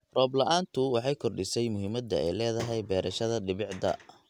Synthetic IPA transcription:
rɔːblɐʔaːnt̪ʰʊwɑħɑjkʰɔrɖɪsɛjmʊɦiːmɐd̪ɐɛ̰jlɛːðɐɦɛjbɛːɾʔɐʃɐðɐɖɪβɪʕd̪ɐ̰

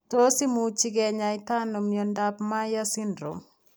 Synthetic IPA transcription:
tosimut͡ʃikɛɲaitanɔmjɔndapmajasindɾo̰m

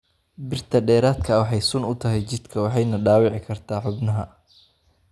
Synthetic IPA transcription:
bɪrt̪ʰɐɖɛːɾaːd̪kʰɐwɑħɑjsʊnʊt̪ʰɐɦɛjt͡ʃɪd̪kʰɐwɑħɑjnɐɖaːwɪʕɪkʰɐrt̪ʰaːħʊbnɐɦɐ

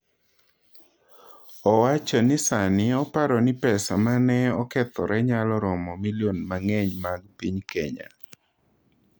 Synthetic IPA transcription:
ɔwat͡ʃɔnɪsanɪɔpaɾɔnɪpɛsa̰manɛɔkɛt̪ɔɾɛɲalɔɾɔmɔmiljonmaŋɛɲmaɡpiɲkɛɲa̰

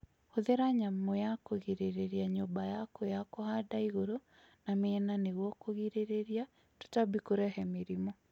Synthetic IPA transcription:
oðeɾaɲamɔjakoɣiɾeɾeɾiaɲobajakojakohadaiɣoɾo | nameɛnaneɣwɔkoɣiɾeɾeɾja | tu̥tabikoɾɛhɛmeɾimɔ

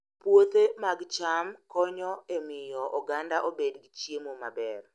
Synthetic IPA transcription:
pwot̪emaɡt͡ʃamkɔɲɔemɪjɔʔɔɡandaʔobedɡit͡ʃjemomabɛr

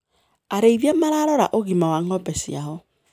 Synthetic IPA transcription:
aɾeivjamaɾaɾɔɾa̰ʔoɣimawaŋɔbɛsḭa̰ɦɔ

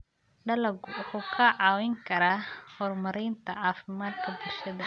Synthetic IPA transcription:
ɖɐlɐɡwʊħuːkʰɐʕɑːwɛŋkʰɐɾaːhɔːrmɐɾɛːnt̪ʰɐʕɑːfɪmaːd̪kʰɐbɪlʃɐðɐ

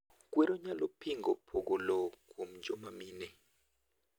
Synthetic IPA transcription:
kwɛɾɔɲalopʰiŋɡɔpʰoɡɔlɔkʰom̩d͡ʒɔmamiːnɛ

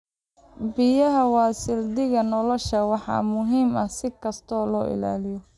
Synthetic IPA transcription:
bɪjɐɦɐwɑːsɪld̪ɪɣɐnɔlɔʃɐwɑħɑ̰ːmʊɦiːmɐsɪkʰɐst̪ʰɔːlɔ̰ːʔɪ̰la̰ːlɪjɔ

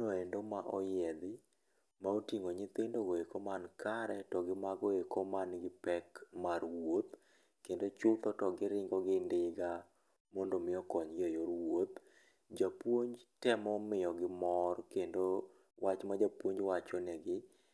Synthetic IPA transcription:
noendomaʔɔjɛd̪ɪ | maotiŋoɲɪt̪ɪndoɡoekomankʰaɾɛtɔɡɪmaɡoekomanɡɪpɛkmarwot̪ | kendot͡ʃʊt̪ɔtɔɡɪɾɪŋɡɔɡɪndɪɡa | mɔndomɪɔkɔɲɡejoɾwot̪ | d͡ʒapwoɲd͡ʒtɛmɔmɪjɔɡɪmɔrkendo | wʔat͡ʃmad͡ʒapwoɲd͡ʒwat͡ʃɔnɛɡɪ

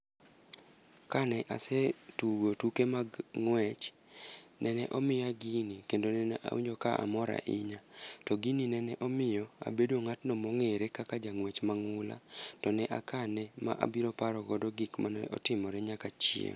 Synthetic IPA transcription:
kanɛʔa̰setuɡotukemaɡŋwɛt͡ʃ | nɛnɛ̰ʔɔmɪjaɡinikendonɛnɛʔa̰wḭɲd͡ʒokaʔa̰mɔɾa̰ʔɪɲatɔɡininɛnɛʔɔmɪjɔa̰bedwoŋatnɔmɔŋeɾekakad͡ʒaŋwɛt͡ʃmaŋʊla̰tɔnɛʔakanɛma̰ʔa̰biɾɔpaɾɔɡɔdɔɡikmanɛ̰ʔɔ̰tɪmɔɾɛɲakat͡ʃiḛŋ

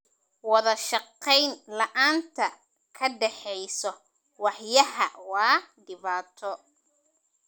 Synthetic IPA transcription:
wɑðɐʃɑqːɛjnlɐʔaːnt̪ʰɐ | kʰɐɖɛħɛjsɔ | wɑħjɐɦɐwɑːɖɪβaːt̪ʰɔ

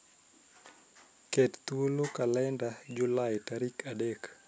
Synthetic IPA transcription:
kɛtt̪ulokalɛndad͡ʒulajtaɾikʰadɛk

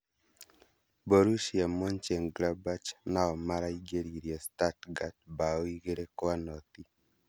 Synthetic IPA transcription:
boɾuʃiamɔnt͡ʃeŋɡɾabat͡ʃnaɔmaɾaiɡeɾiɾjɔstatɡat̚baɔiɡeɾekwanɔt̪i

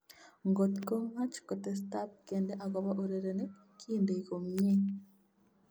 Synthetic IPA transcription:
ŋɡot̪komhat͡ʃi̥kotes̬tapkeːndeʔaɡoβaʔoɾeɾene | kʰiːndekomje

